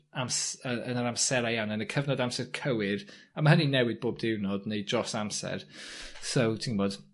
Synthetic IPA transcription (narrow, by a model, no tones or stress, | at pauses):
amsəʔənəɾamsɛɾajanənəkʰəvnɔdamsɛrkʰəwɪɾ | amaɦəninɛwɪɨd̚boːb̚dɪwnɔdnejdrɔsamsɛ̰rsowtʰinbɔd̥